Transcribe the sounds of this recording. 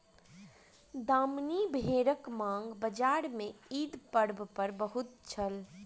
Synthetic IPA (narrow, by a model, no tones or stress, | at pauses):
d̪aːmnibʱeːɾəkmãːŋɡbəd͡ʒaːɾmẽiːd̪pəɽbpəɾbəɦʊt̪t͡ʃʰəl